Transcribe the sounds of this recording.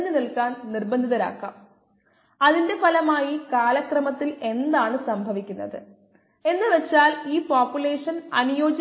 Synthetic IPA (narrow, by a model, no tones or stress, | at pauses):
nːɨnilkaːnnirbɐnd̪ʱiðɐɾa̰ːkːɐ̰m | ɐðinde̞pɐlɐmaːjikaːlɐkrɐmɐt̪ːile̞nd̪aːɳɨsɐmbʱɐʋikʲːunːɐ̰ðɨ | e̞nːɨʋe̞t͡ɕːaːliːpaːpjule̞ːʂɐnɐnujo̞ːd͡ʑɐ